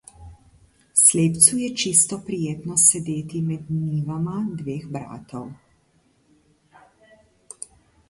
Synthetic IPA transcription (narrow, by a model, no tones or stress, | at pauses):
sleːpt̪sujɛt͡ʃist̪ɔpɾijeːt̪nɔsɛd̪eːt̪imɛd̪niːʋamad̪ʋeːxbɾa̰ːt̪ɔw